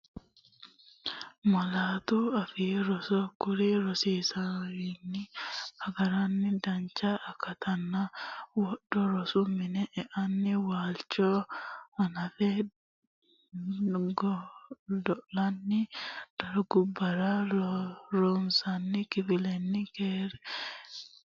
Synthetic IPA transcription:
mɐlaːt̪uɐfɪjɛɾɔsokʊɾiɾɔsiːsɐwinːɪɐɡɐɾɐnːɪd̪ɐnt͡ʃːaʔːkːɐt̪ʰɐnːɐwɔɗɔɾɔsʊmɪnɛʔɛʔɐnːɪwaːlt͡ʃːoːɐnɐfɛ | ɡ | d̪ɔʔlɐnːɪd̪̥ɐɾɡʊbːɐɾaɾɾunsɐnːɪkɪfɪlɛnːɪkeːɾɛ

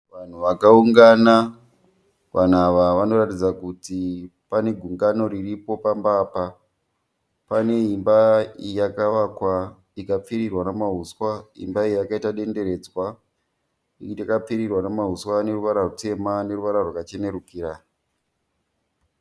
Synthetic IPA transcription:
ʋan̤uʋakauŋɡana | ʋʔan̤uaʋaʋano̞ratid͡zakutipane̞ɡʱuŋɡano̞ɾiripo̞pambapa | pane̞imbaijakaʋakwa | ikap͡fiɾirwanamaɦuswaḭmbaijakaitaɗe̞nde̞ɾe̞d͡zwa | iakap͡fiɾirwanamaɦuswane̞ruʋaɾarute̞mane̞ruʋaɾarwakat͡ʃe̞ne̞ɾukiːɾa

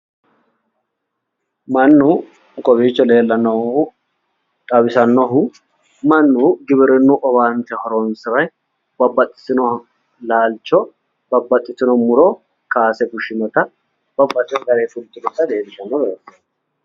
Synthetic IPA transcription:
mɐnːʊ | kʼɔbiːt͡ʃːɔle̞ːlːɐnːɔ | t̪ʼɐbɪsɐnːɔɦʊ | mɐnːuɡɪbɪɾɛnːuʔɔbaːnt̪ɛhɔɾɔnsɪɾɐj | bɐbːɐt̪ʼːɪ̥sɪnɔ | laːlt͡ʃːɔ | bɐbːɐt̪ʼːɪt̪ɪnɔmʊɾɔ | kaːsɛɡʊʃːɪnɔt̪ɐ | bɐbːɐt͡ʃ̪ʼːɛɡɐɾeːfʊlt̪ʼːɪdɔt̪ːɐd̪eːd̪ɪʃɐnːɔbɛɾɛs

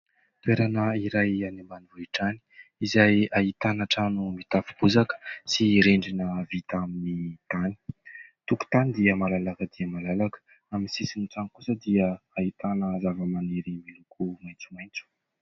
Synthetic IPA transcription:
t̪weɾanəiɾajanemanuvueʈ͡ʂani̥izajaɦit̪anaʈ͡ʂanumit̪afubuzakə̥siɾeɳɖ͡ʐinəvit̪aminit̪ani̥t̪uku̥t̪anid̪iəmalalakəd̪iəmalalakə̥ | aminsisinut͡sanikusəd̪iəait̪anəzavəmaneɾimilukʰumajnt͡sumajnt͡su̥

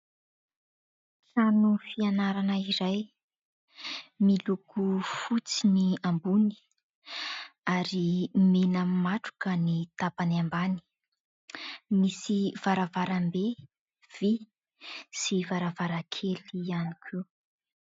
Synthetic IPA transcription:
sanufianaɾanəiɾaj | milukufut͡siniambuni̥ | aɾimenammaʈ͡ʂu̥kənit̪apanambani̥ | misiv̥aɾavaɾambe | v̥i | sivaɾavaɾakʰelianikʲʰu

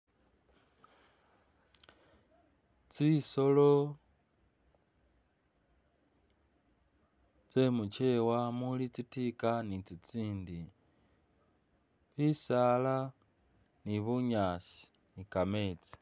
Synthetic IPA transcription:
t͡siso̞lo̞ | t͡se̞mut͡ʃe̞wamulit͡sitikanit͡sit͡siːndi | βisala | niβuɲaːsi̥ | nikame̞ːt͡si̥

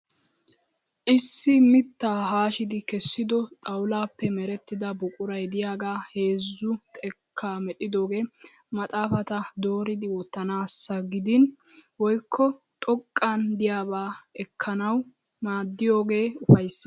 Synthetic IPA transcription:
ʔɪsːɪmɪt̪ːaːɦaːʃɪd̪ɪkɛsːɪd̪ɔt̪ʼɐwlaːpːɛmɛɾɛt̪ːɪd̪ɐbʊkʼʊɾɐjd̪ɪjaːɡaːhe̞ːzːʊt̪ʼɛkʰːaːmɛt̪ʼːɪd̪o̞ːɡe̞ː | mɐt̪ʼaːfɐt̪ɐd̪o̞ːɾɪd̪ɪwɔt̪ːɐnaːsːɐɡɪd̪ɪn | wɔjkʰːɔ | t̪ʼɔkʼːɐnd̪ɪjaːβaːɛkʰːɐnɐw | maːd̪ːɪjoːɡe̞ːʊfɐjsː

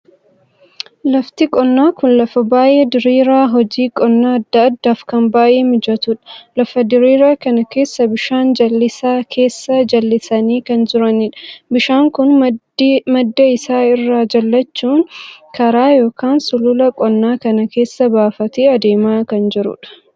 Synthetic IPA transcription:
lɐft̪ɪkʼɔnːaːkʊnlɐfɐbaːjeːd̪ɪɾiːɾaːɦɔd͡ʒiːkʼɔnːaːɐd̪ːɐɐd̪ːaːfkɐmbaːjʔeːmɪd͡ʒɐt̪ʊᶑɐ̥lɐfɐd̪ɪɾiːɾaːkɐnɐke̞ːsːɐbɪʃaːnd͡ʒɐlːɪsaːkʰe̞ːsːɐd͡ʒɐlːɪsɐniːkɐnd͡ʒɪɾɐnɪᶑɐ̥bɪʃaːŋkʊn | mɐd̪ːɐɪsaːɪrːaːd͡ʒɐlːɐt͡ʃːuːŋkʰɐɾaːjo̞ːkaːnsʊlʊlɐkʼɔnːaːkɐnɐke̞ːsːɐbaːfɐt̪eːɐd̪e̞ːmaːkɐnd͡ʒɪɾʊ̰ᶑɐ̥

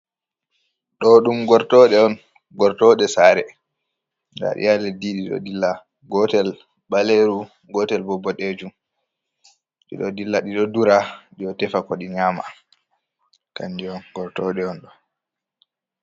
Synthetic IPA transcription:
ɗɔɗumɡɔɾtɔɗɛɔn | ɡɔɾtɔɗɛsaːɾɛ | da̰ɗḭjalɛdiɗiɗɔ̰dilːa | ɡɔtɛl | baleɾu | ɡɔtɛlbɔbːɔɗed͡ʒum | ɗḭɗɔdilːaɗiɗɔduɾaɗiɔtɛfakɔɗiɲaːma̰ | kandiɔnɡɔɾtɔɗɛɔnɗɔ

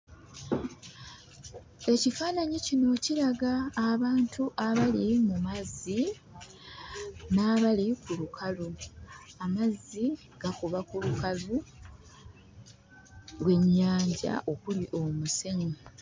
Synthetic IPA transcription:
e̞cifaːnaɲicino̞ciɾaɡaːβaːntʰuʔaβalimumazi | naːβalikulukʰaluamazːi | ɡ̥akuβakulukalu | lwe̞ɲːaːɲɟa̰ʔo̞kuliʔo̞museŋe

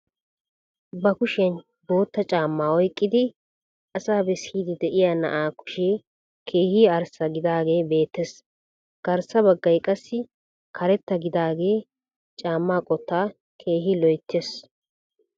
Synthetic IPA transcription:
bɐkʊʃɪɐn | bo̞ːt̪ːɐt͡ʃʼaːmːaːɔjkʼːɪd̪ɪ | ʔɐsaːbɛsiːd̪ɪd̪ɛʔɪjaːnɐ̰ʔaːkʊ̥ʃeː | kʰe̞ːhiɐɾsɐɡɪd̪aːɡe̞ːbe̞ːt̪ːes | ɡ̥ɐɾsɐbɐɡːɐjkʼɐsːɪ | kʰɐɾɛt̪ːɐɡɪd̪aːɡe̞ː | t͡ʃʼaːmːaːkʼɔt̪ːaː | kʰe̞ːɦɪlɔjt̪ʰːes

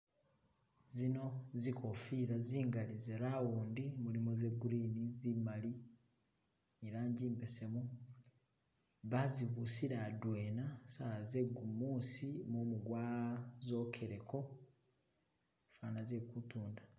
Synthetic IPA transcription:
zino̞zikʰo̞fiːɾaziːŋɡalizeɾawuːndimulimoze̞ɡuɾinizimali | eɾaːɲɟiːmbese̞mu | βaziβusiɾadwe̞ːnasaze̞ɡumuːsimoːmuɡwaːzo̞ːkʰe̞ɾeko̞ | faːnazekutuːnda

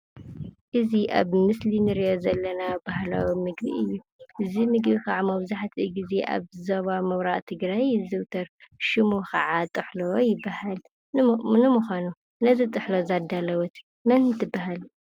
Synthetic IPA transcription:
ʔɨziʔa̰βmɨslinɨɾijozɐlːɐnabahla̰wimɨɡbiʔɨjːu | ʔɨzimɨɡbikaʕamɐβzaħat̪ʰiɡize̞ʔa̰βzoβamɐwɾaʔt̪ʰɨɡɾajzɨwt̪ʰɐɾʃɨmokʰɐ̰ʕat̪ʼɨħlojɪbːahal | nɨmuxʷanu | nɐzit̪ʼɨħlozad̪alɐwɔt̪ | mɐnnt̪ʰɨbːaɦal

